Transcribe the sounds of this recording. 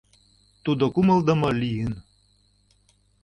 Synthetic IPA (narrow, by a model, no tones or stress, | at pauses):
t̪ud̪okuməld̪ə̆mɤlijɯn